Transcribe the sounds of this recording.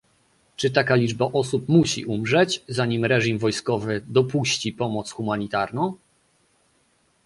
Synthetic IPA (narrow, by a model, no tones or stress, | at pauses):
t͡ʂɘt̪akalʲid͡ʐbaʔɔsupmuɕḭʔumʐɛt͡ɕzaɲimɾɛʐimvɔjskɔvɘd̪ɔpuɕt͡ɕipɔmɔt̪sxumaɲit̪aɾnɔ̃w̃